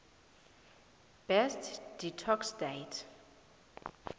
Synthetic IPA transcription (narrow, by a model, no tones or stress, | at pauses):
b̥ɛstd̥itʰɔksdajtʰ